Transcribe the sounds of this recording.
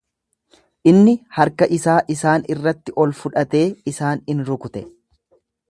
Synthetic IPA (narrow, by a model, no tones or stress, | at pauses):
ʔɪnːɪhɐɾkɐʔɪsaːʔɪsaːnɪrːɐt̪ːɪʔɔlfʊᶑɐt̪e̞ːɪsaːnɪnɾʊkʊt̪ɛ